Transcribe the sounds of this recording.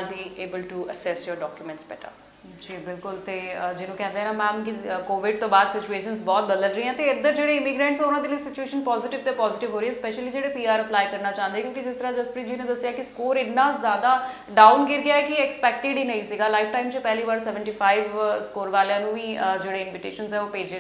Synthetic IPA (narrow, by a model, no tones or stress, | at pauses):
lbiːeːbəlʈuəsɛsjoːɾɖɔːkjumɛ̃ɳʈsbɛ̰ːʈa̰ | d͡ʒiːbɪlkʊlt̪eːəd͡ʒɪnũːkɛ̃ːnd̪eɦɛːnãːmɛ̃ːmkikoːʋɪɖ̚t̪õːbaːd̪sɪt͡ʃueːʃənsbɔːt̪̚bəd̪əlɾəɦiːɦɛ̃ːt̪eɪd̪əɾd͡ʒeːɽeːɪmɪɡɾə̃ːɳʈsɛʊnãːd̪eːləiːsɪt͡ʃueːʃənpɔːzɪʈɪʋt̪eːpɔːzɪʈɪʋɦoːɾeːɦɛ̃spɛːʃəliːd͡ʒeːɽeːpiːaːɾəplaːikəɾnaːt͡ʃãːənd̪eːkjõːkid͡ʒɪst̪əɾãːd͡ʒəspəɾĩːd͡ʒinẽːd̪əsɪjaːkɪskoːɾɪːãːzjaːd̪aː | ɖaːʊnɡɪɾɡɪjaːɛkɪɛkspɛːk̚ʈɪɖiːnə̃ĩːsiːɡaːlaːɪfʰʈaːimt͡ʃepɛɦliːʋaːɾsɛːʋə̃ɳʈiːpʰaːiʋskoːɾʋaːleãːnũːiːəd͡ʒeːɽeːɪnʋɪʈḛːʃənzɛːoːpeːd͡ʒe